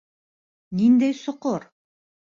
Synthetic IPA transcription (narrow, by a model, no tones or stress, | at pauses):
nind̪æjsŏqoɾ